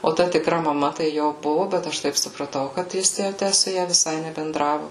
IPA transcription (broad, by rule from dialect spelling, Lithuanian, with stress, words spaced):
oː ˈtɐ tʲɪkˈrɐ mɐˈmɐ tɐɪ ˈjoː ˈbʊʋʊ bʲɛt ˈɐʃ tɐɪp sʊprɐˈtɐʊ kɐt ˈjɪs jɛʊ ˈtʲæ sʊ ˈjɛ ʋʲɪˈsɐɪ nʲɛbʲɛnˈdrɑːʋʊ